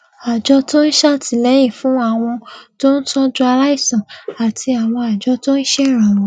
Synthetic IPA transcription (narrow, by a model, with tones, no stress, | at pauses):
a˨d͡ʒɔ˧˦to˦ni˦ʃa˦ti˨lɛ˨˦jĩ˦˨fũ˨˦a˦˨w̃ɔ̃˧to˦n̩˦tɔ̃˦d͡ʒu˦a˧ɾa˦i˦˨sã˨a˨tʰi˧a˨w̃ɔ̃˧a˨d͡ʒɔ˧˦to˦i˦ʃɛ˦˨ɾ̃ã˨ɔ̃˨